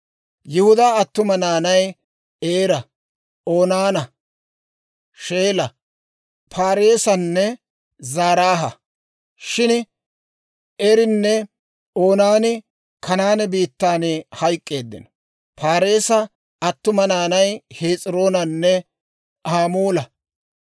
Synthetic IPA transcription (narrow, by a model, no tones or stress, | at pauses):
jɪhʊd̪aːɐt̪ːʊmɐnaːnɐj | eːɾɐ | oːnaːnɐ | ʃe̞ːlɐ | pʰaːɾe̞ːsɐnːɛ | zaːɾaːɦɐ | ʃɪn | ɛɾɪnːɛ | o̞ːnaːnɪ | kʰɐnaːnɛbiːt̪ːaːnhɐjkʼːe̞ːd̪ːɪ̰n | pʰaːɾe̞ːsɐ | ɐt̪ːʊmɐnaːnɐjheːt͡sʼɪɾo̞ːnɐnːɛ | ʔaːmuːlɐ